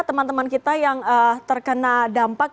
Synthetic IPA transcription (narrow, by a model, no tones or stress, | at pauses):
t̪əmant̪əmankit̪ajaŋət̪ərkənadampak̚